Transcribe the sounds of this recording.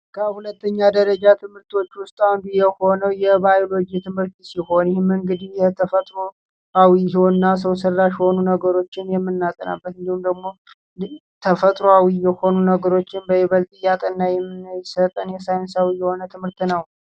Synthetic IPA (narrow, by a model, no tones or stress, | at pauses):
kʰəhulət̪ʰːəɲːad̪əɾəd͡ʒat̪ʰɨmhɨɾt̪ʰwo̞t͡ʃːwʊst̪ʼanbijɛho̞nəwjɛbajolo̞d͡ʒit̪ʰɨmhɨɾt̪siho̞njɪhɪmɨŋɡɨd̪ihjɛt̪ʰəfət̪ʼɾo | awihiwonːas̬əwsərːaʃho̞nunəɡəɾo̞t͡ʃːɪnjɛmːɨnːat̪ʼəna̰bːət̪ɨnd̪ihumd̪əɡmo̞ | t̪ʰəfət̪ʼɾoawijɛho̞nunəɡəɾo̞t͡ʃːɪnbəjɪβəlt̪ʼɨjat̪ʼənːajɛmːɨnjsət̪ʼənjɛsajnsawijːɛho̞nət̪ʰɨmhɨɾt̪nəw